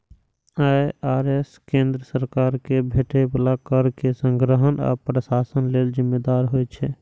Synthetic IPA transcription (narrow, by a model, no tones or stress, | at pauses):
aaɾeskẽnd̪ɾəsəɾkaɾkebʱeʈʰebəlakəɾkesə̃ŋɡɾəɦəna̰pɾəsasənleld͡ʒimːed̪aɾɦojt͡ʃʰɛ